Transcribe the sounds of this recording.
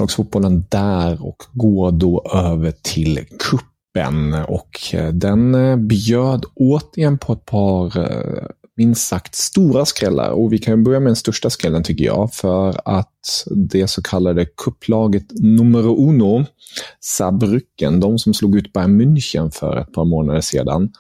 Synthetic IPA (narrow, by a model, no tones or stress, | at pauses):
lɑːɡsfʊt̪̚bɔlənd̪æːɾɔ̰kɡoːɾɖoːʔøːvəʈʰɪlkʰɵpːə̰nɔ̰kʰd̪ɛnbjøːd̪oːt̪əɾɪjɛnːpʰɔɛt̪̚pʰɑːɾ | mɪnsakt̪st̪uːɾaskɾɛlːa̰ɾɔvɪkʰanjɵbœɾjamɛd̪ɛnst̪œʂʈaskɾɛlːənt̪ʰʏkːəjɑ̰ːfœɾat̪d̪ɛsɔkʰalːad̪əkʰɵpːlɑːɡət̪nɵmːəɾʊʔuːnʊ | sabɾʏkːə̰nd̪ɔmsɔmsluːɡʉːt̪̚bɑɾamɵnçənfœ̰ɾɛ̰t̪̚pʰɑːɾmoːnad̪əʂḛːd̪a̰n